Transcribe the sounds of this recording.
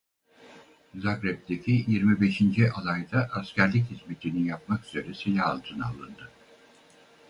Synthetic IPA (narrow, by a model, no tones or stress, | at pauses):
zakɾɛp̚d̪ecʲʰijiɾmibe̞ʃind͡ʒiʔalˠajd̪aʔːscʲæɾlʲic̬hizme̞t̪ʰininjap̚makyz̥eɾɛselʲaalˠt̪ʰɯna̰lˠɯnd̪ɯ